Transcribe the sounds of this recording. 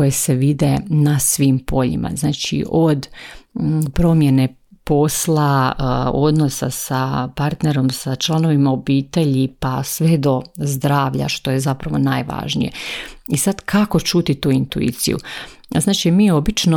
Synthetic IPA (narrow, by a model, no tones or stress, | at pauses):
kojese̞ʋid̪enasʋiːmpʰo̞ʎḭmʔa̰znaːt͡ʃḭʔod̪ | pɾo̞mje̞ne̞ | po̞slˠa | o̞d̪no̞sa̰sapaɾt̪ne̞ɾo̞msat͡ʃlˠano̞ʋimaobiːt̪e̞ʎipasʋe̞d̪o̞zd̪ɾaːʋʎa̰ʃt̪oje̞zapɾaʋo̞najʋa̰ʒnḭje̞̰isad̪kʰako̞t͡ʃuːt̪it̪uːint̪uḭːt̪sḭjṵznaːt͡ʃimiːo̞bit͡ʃno